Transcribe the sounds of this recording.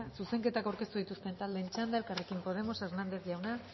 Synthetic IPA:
suse̞ŋke̞t̪akawɾke̞st̪uðit̪ust̪e̞nt̪ald̪ent͡ʃand̪aelkarekimpo̞ð̞e̞mo̞seɾnand̪e̞θʝawna

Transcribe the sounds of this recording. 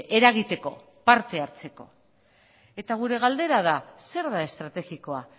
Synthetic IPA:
e̞ɾaɣit̪e̞ko̞̰ | paɾt̪e̞aɾt͡se̞ko̞̰ | e̞t̪aɣ̞uɾe̞ɣald̪e̞ɾað̞ase̞ɾðae̞st̪ɾat̪e̞ɣiko̞a

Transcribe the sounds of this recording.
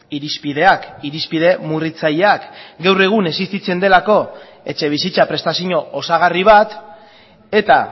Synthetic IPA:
iɾispiðe̞akiɾispiðe̞murit͡saʎeakɡawre̞ɣ̞une̞sist̪it͡se̞nd̪e̞lako̞ | e̞t͡ʃe̞β̞isit͡sapɾe̞st̪asiɲo̞osaɣ̞ariβ̞at̪ | e̞t̪a

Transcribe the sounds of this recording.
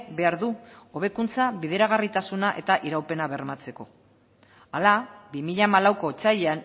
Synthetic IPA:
be̞aɾðuo̞β̞e̞kunt͡saβiðe̞ɾaɣ̞arit̪asunaʔe̞t̪aʔiɾawpe̞naβe̞ɾmat͡se̞ko̞ | alabimiʎamalawko̞t͡sajean

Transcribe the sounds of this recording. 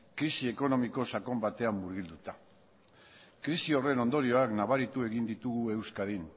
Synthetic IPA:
kɾisie̞ko̞no̞miko̞sako̞mbat̪e̞amːuɾɣild̪ut̪a | kɾisio̞re̞no̞nd̪oɾio̞aknaβaɾit̪ue̞ɣind̪it̪uɣue̞wskaɾin

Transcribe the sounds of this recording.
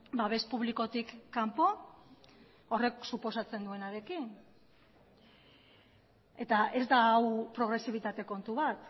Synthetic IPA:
baβe̞spuβliko̞t̪ikːampo̞ | ore̞ksupo̞sat͡se̞nd̪ue̞naɾe̞kin | e̞t̪ae̞zd̪aːwpɾo̞ɣɾe̞siβ̞it̪at̪e̞ko̞nt̪uβat̪

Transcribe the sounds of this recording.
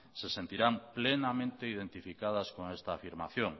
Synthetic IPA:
sesent̪iɾamplenamẽnt̪eið̞ent̪ifikað̞ɐskoŋest̪aːfiɾma̰θjoŋ

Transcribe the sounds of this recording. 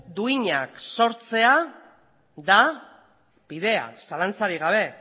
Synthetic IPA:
d̪uiɲakso̞ɾt͡se̞a | d̪a | biðe̞a̰salant͡saɾiɣ̞aβ̞e̞

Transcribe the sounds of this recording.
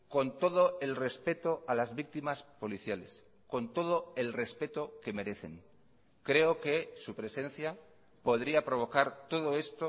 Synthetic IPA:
ko̞nt̪o̞ð̞o̞e̞lre̞spe̞t̪o̞alazβik̚t̪imaspo̞liθjale̞s | ko̞nt̪o̞ð̞o̞e̞lre̞spe̞t̪o̞ke̞me̞ɾe̞θe̞̰ŋ | kɾe̞oke̞supɾe̞se̞n̟θja | po̞ðɾiapɾo̞β̞o̞kaɾt̪o̞ð̞o̞e̞st̪o

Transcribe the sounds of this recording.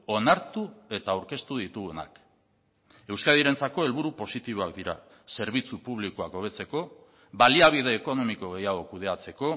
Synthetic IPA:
o̞naɾt̪ue̞t̪aːwɾke̞st̪uðit̪uɣena̰k | e̞wskaðiɾe̞nt͡sako̞e̞lβ̞uɾupo̞sit̪iβ̞o̞ak̚d̪iɾa | se̞ɾβ̞it͡supuβlikoako̞β̞e̞t͡se̞ko̞ | βaliaβ̞ið̞e̞ːko̞no̞miko̞ɣ̞e̞jaɣ̞o̞kuð̞e̞at͡se̞ko̞

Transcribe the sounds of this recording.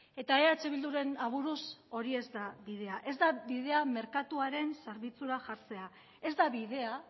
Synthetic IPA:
e̞t̪aeaet͡ʃe̞β̞ild̪uɾe̞naβ̞uɾuso̞ɾie̞zd̪aβiðe̞aʔe̞zd̪aβið̞e̞ame̞ɾkat̪uaɾe̞nseɾβit͡suɾaʝaɾt͡se̞a | e̞zd̪aβiðe̞a

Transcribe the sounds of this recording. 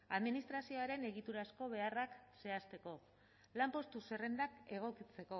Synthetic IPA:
aðminist̪ɾasio̞aɾe̞ne̞ɣit̪uɾasko̞β̞e̞arakse̞ast̪e̞ko̞ | lampo̞st̪use̞re̞nd̪ake̞ɣ̞o̞kit͡se̞ko̞

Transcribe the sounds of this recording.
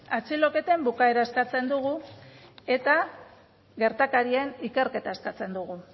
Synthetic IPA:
at͡silo̞ke̞t̪e̞mbukae̞ɾaeskat͡se̞nd̪uɣu | e̞t̪a | ɣe̞ɾt̪akaɾienike̞ɾke̞t̪aeskat͡se̞nd̪uɣ̞u

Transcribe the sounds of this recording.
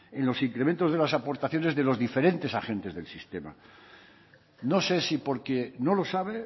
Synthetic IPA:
e̞nlo̞siŋkɾement̪ozð̞e̞lasapo̞ɾt̪aθjone̞zðe̞lo̞zðife̞ɾẽ̞nt̪esaxe̞nt̪e̞zðe̞lsist̪e̞ma̰ | no̞se̞sipo̞ɾkeno̞lo̞saβ̞e

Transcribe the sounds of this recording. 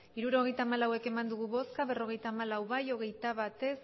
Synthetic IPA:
iɾuɾo̞ɣ̞e̞jt̪aːmalawe̞ke̞mand̪uɣ̞uβo̞skaβe̞ro̞ɣ̞e̞jt̪aːmalawβajo̞ɣ̞e̞jt̪aβat̪e̞s

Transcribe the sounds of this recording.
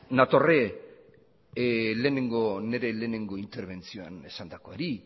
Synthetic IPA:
nat̪o̞re | le̞ːne̞ŋɡo̞ne̞ɾe̞le̞ːne̞ŋɡo̞int̪e̞ɾβ̞e̞nt͡sio̞a̰ne̞sand̪ako̞aɾi

